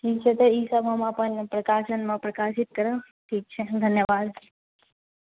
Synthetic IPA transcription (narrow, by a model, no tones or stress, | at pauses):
it͡ʃʰet̪eisamamãpəɳpɾəkaːʃənmãpɾəkaʃit̪̚kəɾə | ʈʰiːk̚t͡ʃʰed̪ʱənjəʋad̪